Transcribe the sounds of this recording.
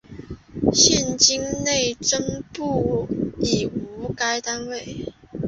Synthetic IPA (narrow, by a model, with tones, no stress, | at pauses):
ɕjɛ˥˨nt͡ɕi˥ŋne˥˨ɪʈ͡ʂə˥ŋpu˥˩i˨˩u˧˥ka˥ɪt̪a˥nwe˥˩ɪ